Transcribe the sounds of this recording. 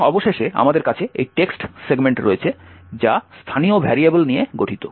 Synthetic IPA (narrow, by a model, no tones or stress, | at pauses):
ɔboʃeʃea̰mad̪eɾkat͡ɕʰeejʈeksʈseɡmeɳʈɾoet͡ɕʰed͡ʑast̪ʰaniobʱɛɾiebolnijeɡoʈʰit̪o